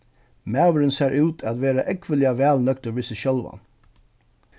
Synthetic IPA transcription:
mæːʋəɾənseːɾʔʉːt̪ʰæt̪ʋeːɾaʔɛkʋəlɪaʋæːlnœkt̪əʋɪsəʃœlʋa̰n

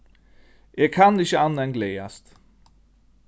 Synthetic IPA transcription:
ʔeːɡ̚kʰanɪɕəɑnːaɛnɡlɛːast̪

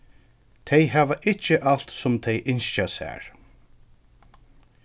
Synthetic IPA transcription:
t̪ʰejɦaːvaʔɪht͡ʃːɪʔal̥t̪sʊmt̪ʰɛjʔɪnsasæ̰ːɹ

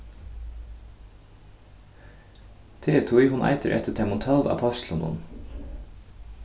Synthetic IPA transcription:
t̪ʰeːt̪ʰujɦʊnʔa̰jt̪əɾʔɛ̰t̪ɪt̪ʰɛmʊnt̪ʰœlˠva̰pʰɔst̪lənʊ̰n

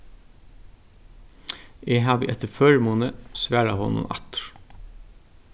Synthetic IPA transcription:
eːɦɑːʋḭʔɛt̪əføːɹmuːnəsʋæːɾɑhɔnʊ̰nʔɑ̰t̪ɾ

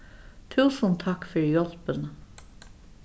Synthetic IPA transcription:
t̪ʰʉːsənt̪ʰːɑkfœɹjɔlpən

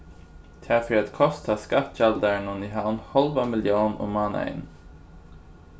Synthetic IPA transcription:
t̪ʰæfɾiat̪kʰɔst̪ʰaskat̪ɕɛld̪əɳuniɦanhɔlʋamɪljuːnɔ̰mɑːnɛ̰n

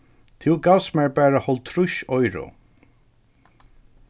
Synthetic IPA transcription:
t̪ʰɪwɡawsmɛɹbæːɹahɔlt̪ʰɾʊʃɔjɹʊ̰

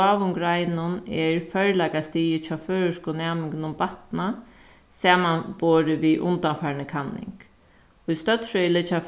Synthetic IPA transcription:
ɑːʋʊŋɡɾajnʊnɛɹfœɹlɛkast̪iːjɪt͡ʃʰaːføːɹʊskʊnɛːmɪŋkɪnʊmbat̪na | saːmanboːɾɪʋiʔʊ̰nt̪anfaːɾnəkʰanːɪ̰ŋk | ʊist̪œt̪ɾœjlɪt͡ɕʰaf

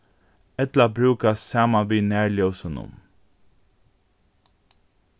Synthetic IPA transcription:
ɛt̪labɹʉːkassɑːmaʋiːnæːɹɭjɔʊsənʊ̰m

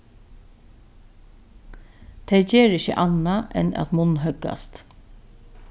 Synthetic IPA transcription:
t̪ʰɛjceːɹɪçə̰ʔanaʔɛ̰na̰t̪mʊnɦœɡa̰st̪

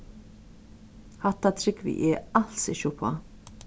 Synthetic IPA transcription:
hat̪ːat̪ʰɾɪkvḭʔɛalsɪ̰ʃʊpʰa̰

